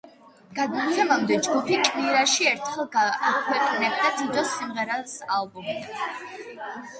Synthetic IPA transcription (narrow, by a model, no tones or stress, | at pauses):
ɡ̥ad̪mɔt̪sʰɛmamd̪ɛd͡ʒɡupʰikʼviɾaʃiɛɾt̪ʰχɛlˠɡakʰwɛqʼnɛb̚d̪at̪ʰid̪ɔsimʁɛɾasalˠbɔm